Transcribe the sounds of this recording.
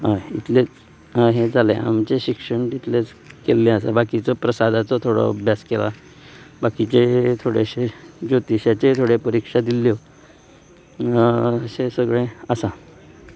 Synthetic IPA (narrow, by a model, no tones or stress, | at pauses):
ɦait̪let͡s | ɦed͡zalḛ̃a̰mt͡ɕeɕikʂəɳʈit̪let͡s | kelːeəsa̰bakit͡sɔpɾəsad̪ʱat͡sɔt̪ʰoɽɔ̰əbʱjaskela | bakit͡ɕet̪ʰoɽeɕed͡ʑot̪iɕjat͡ɕet̪ʰoɽepəɾikʂad̪iljɔ | əsesəɡɭeəsa